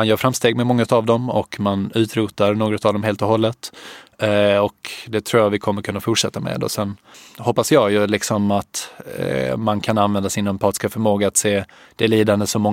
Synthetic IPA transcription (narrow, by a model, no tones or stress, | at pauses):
anjœːɾfɾamst̪eːɡ̚mɛmɔŋːaʉt̪avd̪ɔmɔ̰kmanʉ̟ːt̪ɾuːt̪aɾnoːɡɾɔt̪avd̪ɔmɦeːlt̪ɔɦɔlːət̪ | ɔkd̪ɛt̪ʰɾuːjavɪkʰɔmːəɾkʰɵnːafʊʈʂɛt̪ːamɛ̰d̪ɔ̰sɛnːhɔpːasjɑːɡjɵlɪksɔmat̪ | mankʰananvɛnd̪asɪnœmpʰɑːt̪ɪ̥skafœɾmoːɡaat̪seː | d̪̥ɛliːd̪and̪əsɔmɔŋ